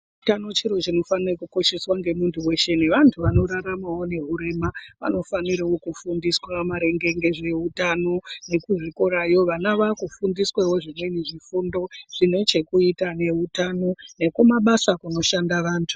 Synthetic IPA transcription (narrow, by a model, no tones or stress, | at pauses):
tano̞t͡ʃiɾo̞t͡ʃino̞fanirekuko̞ʃe̞swaŋɡe̞muntʰuwe̞ʃe̞neʋantʰuʋano̞ɾaɾamawo̞ne̞ɦuɾe̞maʋa̰no̞faniɾawo̞kufundiswamaɾe̞ŋɡe̞ŋɡe̞ʐe̞ɦutano̞ne̞kuʐiko̞ɾajo̞ʋanaʋakufundiswewo̞ʐimwe̞niʐifundo̞ʐ̥ino̞t͡ʃe̞kuitane̞ɦutano̞ne̞kumaɓasakuno̞ʃandaʋaːntʰu̥